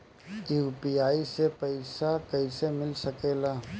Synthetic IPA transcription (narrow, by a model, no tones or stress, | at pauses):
juːpiaːisepɐɪsakɐisemɪlsɐkeːlaː